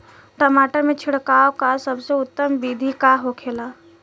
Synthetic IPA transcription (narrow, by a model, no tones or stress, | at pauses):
ʈɔmaːʈəɾmẽt͡ʃʰɪɽkaːokasɐbseʊt̪ːəmbiːd̪ʱikaɦokʰeːlaː